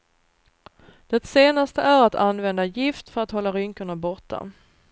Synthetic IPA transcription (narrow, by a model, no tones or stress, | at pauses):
d̪̥ɛt̪seːnast̪əʔæɾat̪ʰanːvɛnd̪ajɪft̪fœɾat̪hɔlːaɾʏŋkəɳabɔʈʰːa̰